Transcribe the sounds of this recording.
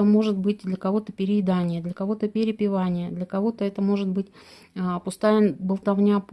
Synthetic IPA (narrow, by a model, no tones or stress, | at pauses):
əmo̞ʐɨt̪̚bɨtʲd̪lʲɐkɐvo̞t̪əpʲɪɾʲɪɪd̪anʲɪjəd̪lʲɐkɐvo̞t̪əpʲɪɾʲɪpʲɪvanʲɪjəd̪lʲɐkɐvo̞t̪əɛt̪əmo̞ʐɨt̪bɨtʲː | ɐpʊst̪ajəbəlˠt̪ɐvnʲap